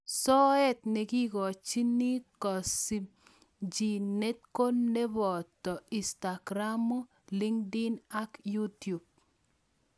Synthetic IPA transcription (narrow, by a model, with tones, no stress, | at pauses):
sɔ˦ɛ˦tne˨ki˦ɡɔ˨t͡ʃi˦ni˦kɔ˨si˨m | d͡ʒi˨ne˦t̚ko˦nːe˦bɔ˨tɔ˨i˨sta˨ɡɾa˦mo˦ | li˦ŋdɪ˦na˦kju˦tu˨b̚